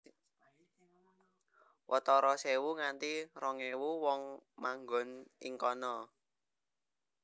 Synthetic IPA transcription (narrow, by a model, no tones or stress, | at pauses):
wɔt̪ɔɾɔsewuŋant̪irɔŋewuwɔŋmaŋɡɔnḭŋkɔnɔ